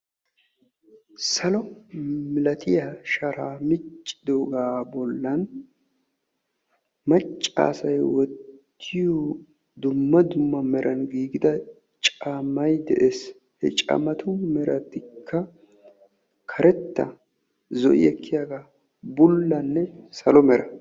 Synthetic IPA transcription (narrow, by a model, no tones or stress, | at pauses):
sɐlɔmɪlɐt̪ʰɪjaʃɐɾaːmɪt͡ʃʼːɪ̥d̪oːɡaːbɔlːɐn | mɐt͡ʃʼːa̰ːsɐjwɔt̪ː | ɪju | d̪ʊmːɐd̪ʊmːɐmɛɾʔɐnɡiːɡɪd̪ɐ | t͡ʃʼamɐjd̪ɛ̰ʔeːs | hɛ̰t͡ʃʼɐ̰mɐt̪ʰʊmɛɾɐt̪ːɪkʰːɐ | kʰɐɾʔɛt̪ːɐ̰ | zɔ̰ʔɪ̰jɛkːɪjaːɡaː | bʊlːɐnːɛsɐlɔmɛɾɐ